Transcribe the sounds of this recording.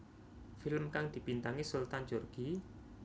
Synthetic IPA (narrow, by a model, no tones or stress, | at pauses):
fɪlmkaŋd̪̥i̤pint̪aŋisult̪and͡ʒorɡ̥i